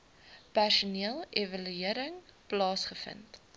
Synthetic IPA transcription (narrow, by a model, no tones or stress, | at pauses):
pærʃuniəlˠevɐlyiəɾəŋplɑːsχəfə̰nt